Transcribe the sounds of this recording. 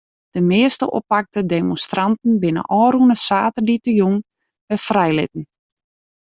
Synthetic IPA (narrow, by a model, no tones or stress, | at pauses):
d̥əmɪəstə̰ʔo̰pak̚tədemonstrantn̩bɪnə̰ʔɔːɾunəsaːtərditəjuŋ | bɛfrɛjlɪ̰t̚n̩